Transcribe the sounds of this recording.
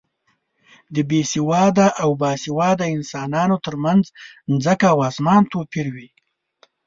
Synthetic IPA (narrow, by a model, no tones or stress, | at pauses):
d̪əbesɪwɑd̪aʔawbɑsɪwɑd̪aɪnsɑːnɑnot̪əɾmanznzəkawɑsmɑnt̪opiɾwi